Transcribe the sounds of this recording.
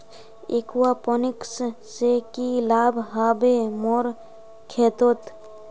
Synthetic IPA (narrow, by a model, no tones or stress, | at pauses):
ḛkuwapɔnikssekilaːbʱɦabemoɾ | kʰet̪ot̪